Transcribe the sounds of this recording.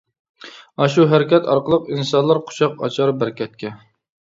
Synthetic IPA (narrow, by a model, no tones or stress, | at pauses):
ɑʃuɦæɾɪkʲɛt̪ɑ̰ɾqəlˠəqinsɑnlˠɑɾqʰʊ̥ʃʰɑqɑ̰t͡ʃʰɑɾbæɾkʲʰɛt̪̚kʲʰɛ